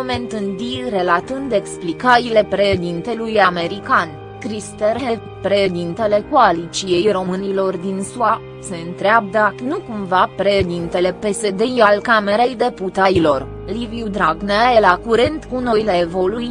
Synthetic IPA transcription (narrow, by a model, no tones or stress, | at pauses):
ome̞nt̪ɨnd̪ire̞lat̪ɨnd̪e̞ksplikaɾile̞pɾeʃed̪int̪e̞lujame̞ɾikanʲ | kɾist̪erɦe | pɾe̞ʃed̪int̪e̞le̞koalit͡ʃije̞jro̞mɨnilo̞rd̪insua | se̞ɨnt̪ɾeab̚d̪anukumvapɾe̞ʃd̪int̪e̞le̞pe̞se̞d̪e̞jalkame̞ɾejd̪e̞put̪ailo̞r | liviud̪ɾaɡnaelakuɾent̪kuno̞jleːvo̞luj